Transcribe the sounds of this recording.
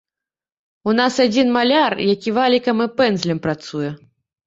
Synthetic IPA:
unasad͡zʲinmalʲarjakʲivalʲikɐmɨpɛnd̪zlʲɛmpɾat̪sujɛ

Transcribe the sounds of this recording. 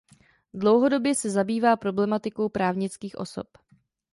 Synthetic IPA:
dlo̞wɦo̞dobjɛsɛzabiːvaːpɾo̞blɛmat̪ɪko̞wpɾaːvɲɪt͡skiːxʔo̞̰so̞̰p

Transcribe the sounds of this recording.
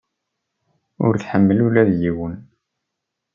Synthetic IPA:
ʊ̰ɾθħəmːəlulæðjiwən

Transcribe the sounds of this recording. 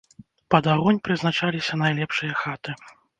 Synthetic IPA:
pɐd̪aɣɔnʲpɾɨznat͡ʂalʲisʲɐnajlʲɛpʂɨjɐxat̪ɨ

